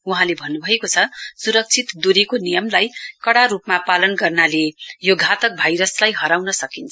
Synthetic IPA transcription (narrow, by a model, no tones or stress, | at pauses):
uɦãlebʱʌnːubʱʌekot͡sʰʌsuɾʌk̚t͡sʰit̪d̪uɾekonijʌmlajkʌɽaɾupmapalʌnɡʌrnalejoɡʱat̪ʌk̚bʱajɾʌslajɦʌɾawnʌsʌkint͡sʰ